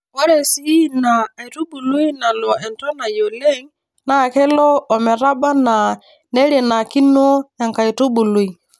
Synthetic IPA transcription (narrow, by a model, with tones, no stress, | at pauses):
wɔ˦ɾɛ˨si˦naː˨i˨tu˦bu˨lu˦i˦na˨lɔ˨ɛ˨ntɔ˦na˨jo˨le˦ŋ | na˦˨kɛ˦lɔ˦ɔ˨mɛ˨ɾa˦ba˦na˨ | nɛ˦ɾje˨na˨ki˦no˦ɛ˨ŋka˨i˨tu˦bu˨lu˨i˨